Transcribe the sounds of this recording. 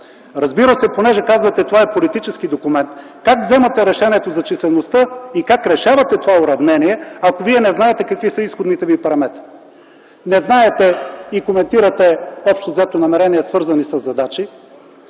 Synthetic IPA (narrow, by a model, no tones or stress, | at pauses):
ɾɐzbiɾəsɛponɛʒɛkazvɐt̪ɛt̪ovaɛpolit̪it͡ʃɛsk̟id̪okumɛnt̪ | kakvzɛmɐt̪ɛɾɛʃɛniɛt̪ozɐt͡ʃislɛnost̪əikakɾɛʃavɐt̪ɛt̪ovaʊɾɐdnɛniɛɐkoviɛnɛznaɛt̪ɛkɐkvisəisxod̪nit̪ɛvipɐɾɐmɛt̪ɾi | nɛznaɛt̪ɛikomɛnt̪iɾɐt̪ɛɔpʃt̪ozɛt̪onɐmɛɾɛniɛsvɤɾzɐnisɐzːɐd̪at͡ʃi